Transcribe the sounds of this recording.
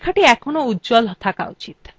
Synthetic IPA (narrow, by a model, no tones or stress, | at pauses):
kʰaʈiɛkʰɔnoudd͡ʒɔlɦt̪ʰaka̰ṵt͡ʃit̪